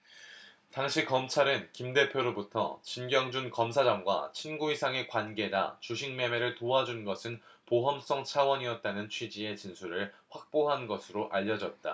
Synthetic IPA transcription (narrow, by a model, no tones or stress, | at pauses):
taŋɕʰikʌmt͡ɕʰaɾɯnkimde̞pʰjoɾobutʰʌ̰t͡ɕinɡjʌŋd͡ʑunkʌmsʰad͡ʑaŋɡwa̰t͡ɕʰinɡuisʰaŋe̞kwanɡe̞da̰t͡ɕuɕʰiŋmjʌme̞ɾɯɭtoad͡ʑunɡʌsʰɯnpoɦʌms͈ʌŋt͡ɕʰawʌɲiʌt̚t͈anɯnt͡ɕʰwid͡ʑie̞t͡ɕinsʰuɾɯɭɸwak̚p͈oɦanɡʌsʰɯɾoʔaʎːʌd͡ʑʌt̚t͈a̰